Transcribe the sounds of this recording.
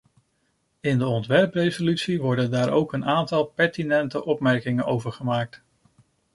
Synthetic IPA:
ɪndəɔntʋɛɹprejzolytsiʋɔɹdəndaːɹowkənaːntɑlˠpɛɹtinɛntəʔɔpmɛɹkɪŋənowvəɹχəmaːk̚t

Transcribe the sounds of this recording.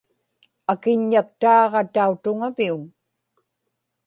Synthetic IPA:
akɪɲːak̚t̪ɑːʁɑt̪aut̪ʊŋaviun

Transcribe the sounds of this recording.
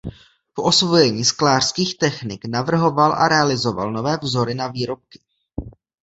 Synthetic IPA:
poʔo̞svo̞jɛɲiːsklaːr̥skiːxt̪ɛxnɪknavr̩ɦo̞valʔa̰ɾɛalɪzo̞va̰lno̞vɛːvzo̞ɾɪnaviːɾo̞p̚kɪ̥

